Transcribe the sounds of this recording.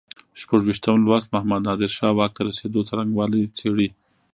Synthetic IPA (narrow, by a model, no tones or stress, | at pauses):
ʃpaʐwiʃt̪amlwast̪mahmad̪nɑd̪ɪɾʃɑwɑk̚t̪aɾased̪ot͡saɾaŋɡwɑlit͡seɽi